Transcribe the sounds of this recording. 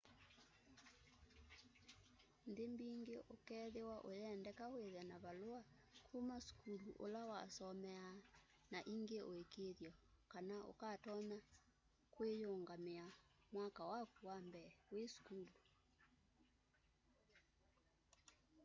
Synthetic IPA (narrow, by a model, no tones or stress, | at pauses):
ndembiŋɡeʔokɛðewaʔojɛndɛkaweðɛnaβaloa | kʰumasu̥kuluʔolawa̰sɔmɛa | naʔiŋɡeʔoekeðjɔkanao̰katɔna | kwejoːŋɡameamwakawakuwambɛwesu̥kulu